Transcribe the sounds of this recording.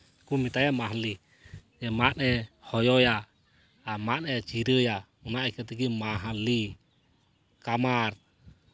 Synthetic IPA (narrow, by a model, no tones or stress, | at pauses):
kumit̪ajamaɦali | jɛmanɛhɔjɔjaː | manɛt͡ʃiɾəja | unaikat̪iɡimaɦali | kamar